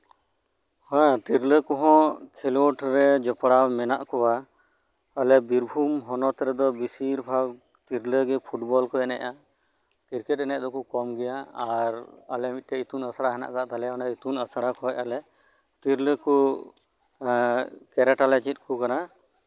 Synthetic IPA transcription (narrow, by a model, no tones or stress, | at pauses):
hãt̪iɾləkɔɦɔ̃kʰɛlɔʈɾɛd͡ʒɔpɽawmɛnaʔkɔwaː | lɛbiɾbʱumɦɔnɔt̪ɛɾɛd̪ɔbisiɾbʱaw | t̪iɾləɡɛpʰuʈbɔlkɔɛnɛ̰ʔa | k̪iɾkɛt̚ɛnɛʔd̪ɔkukɔmɡɛjaaɾəlɛmit̪̚ˀʈɛit̪unəsɽaɦɛna̰ʔkat̪alɛɔnait̪unəsaɽakɔɛcalɛ | t̪iɾləku | kɛɾɛʈalɛt͡ʃit̪̚ˀkukana